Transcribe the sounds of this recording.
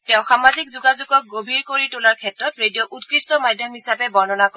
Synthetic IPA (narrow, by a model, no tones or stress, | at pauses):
tɛ̃ʊ̃xamazikzuɡazuɡɔk̚ɡobʱiɹkoɹitʊlaɹkʰɛtɹɔtɹedijɔʔutkɹistɔmadʱjɔmɦisapɛbɔɹnɔnak